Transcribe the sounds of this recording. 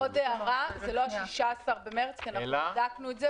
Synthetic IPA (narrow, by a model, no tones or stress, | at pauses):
odeaʁazelohaʃiʃaːsaʁbemeʁt͡skianadaknuetze